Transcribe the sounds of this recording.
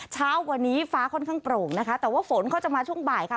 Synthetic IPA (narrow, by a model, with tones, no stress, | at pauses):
t͡ɕʰaː˦˥wːa˧nːiː˦˥faː˦˥kʰɔ˥˩nkʰaː˥˩ŋpɾoː˨˩ŋna˦˥kʰa˦˥t̪ɛː˨˩waː˥˩fo˩˦nkʰa˦˥˩t͡ɕa˨˩maː˧t͡ɕʰu˥˩əŋbaː˨˩jkʰa˥˩